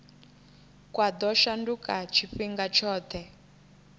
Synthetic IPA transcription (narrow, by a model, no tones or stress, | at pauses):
kwad̪ɔʃandukat͡ʃʰifiŋɡat͡ʃʰɔːt̪ʰɛ